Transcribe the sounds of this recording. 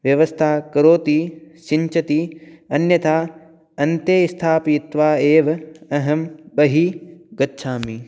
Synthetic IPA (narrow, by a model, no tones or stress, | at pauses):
ʋjɐʋɐst̪ʰaːkɐɾoːt̪iʃiɲt͡ʃɐt̪iɐnjɐt̪aː | ɐnt̪jeːist̪ʰaːpit̪ʋaːeːʋɐɐɦɐmbɐɦiɡɐtːʃʰaːmi